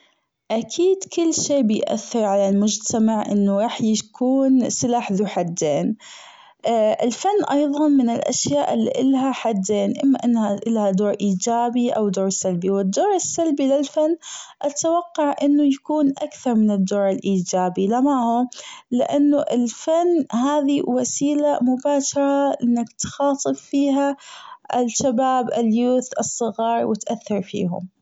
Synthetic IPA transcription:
ʔakʰiːd̪kʊlːʃeːbɪjʔa̰θːɪɾˤʕalalmʊd͡ʒt̪ʰamaʕʔɪ̰nːʊɾˤɑːħjakʰuːnsɪlaːħðuħad̪ːeːn | ɪlfanːʔɑjðˤɑnmɪnɪlʔa̰ʃjaːʔɪlːḭʔɪlɦaħad̪ːeːnʔɪmːaʔɪnːhaʔɪlhad̪oːɾʔiːd͡ʒaːbiʔawd̪oːɾsalbiwɪd̪ːoːɾɪsːalbilɪlfanːʔat̪awɑqːɑʕʔɪnːʊjakuːnʔakθɑɾˤmɪnɪd̪ːoːɾɪlʔiːd͡ʒaːbilamahʊlɪʔanːʊʔɪlfanːhaːðiwasiːlamʊbaːʃɑɾˤɑʔɪnːakt̪xɑːt̪ˤɨbfiːɦaɪlʃabaːbɪljuːθɨsˤːɨɣɑːɾˤwɪt̪ʔaθːɑɾˤfḭːhʊ̰m

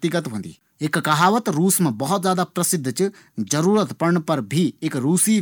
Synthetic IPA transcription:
t̪ɪɡət̪ɦũnd̪ḭː | ekkɐɦaːʋət̪ɾuːsmãbɐɦʊt̪zjaːd̪apɾɐsɪd̪ʱːt͡ʃɨ | d͡ʒɐɾuːɾət̪pɐɾɳpɐɾbʱiekɾuːsiː

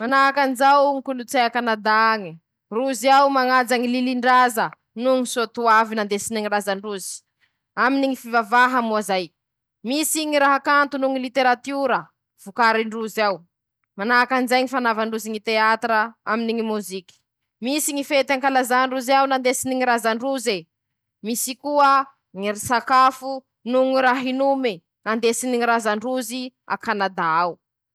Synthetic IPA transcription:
manaakand͡ʒawŋikulut͡seakanad̪aŋi | ruziawmaŋad͡zaŋililiɳɖ͡ʐazə | nuŋisot̪uavinand̪esiniŋirazaɳɖ͡ʐuzi̥ | aminiŋifivavaɦamuazaj | misiɲiɾaɦakant̪unuŋilit̪eɾat̪uɾə | v̥ukaɾiɳɖ͡ʐuzaw | manakanzajŋifanavaɳɖ͡ʐuziŋit̪eat̪ɾəaminiŋimuziki̥ | misiŋifet̪aŋkalazaɳɖ͡ʐuzawnand̪esiniŋiɾazaɳɖ͡ʐuze | misikuə | ŋiɾisakafu | nuŋiɾaɦinumi | nand̪esiniŋiɾazaɳɖ͡ʐuzia̰kanad̪aaw

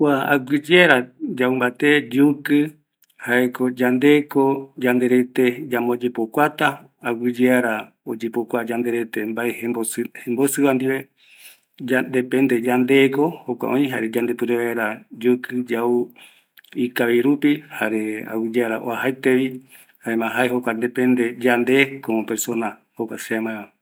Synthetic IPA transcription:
kʷaa̰ɡʷɨd͡ʒeaɾad͡ʒaumbat̪ed͡ʒukɨ | haekod͡ʒand̪ekod͡ʒand̪eɾet̪ed͡ʒamod͡ʒepokʷat̪aː | ɡid͡ʒeaɾa | od͡ʒepokʷad͡ʒand̪eɾet̪embaehebohembosɨβand̪iβe | d͡ʒad̪epend̪e̞d͡ʒand̪ekohokʷa̰ʔõ̰ĩɦa̰ɾed͡ʒand̪e̞pɨɾeβaeɾad͡ʒokɨd͡ʒau | ikaβiɾupihaɾea̰wid͡ʒeaɾaʔoaɦajt̪eβi | haemãɦaeɦokʷand̪epẽnd̪ed͡ʒand̪ekopeɾso̞nahokʷaʃeamãẽa

